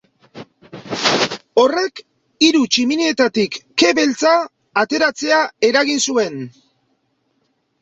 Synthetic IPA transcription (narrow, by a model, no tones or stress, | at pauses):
o̞re̞k | iɾut͡ʃimineet̪at̪ikːe̞βe̞lt͡saː | t̪e̞ɾat͡se̞ae̞ɾaɣinsue̞n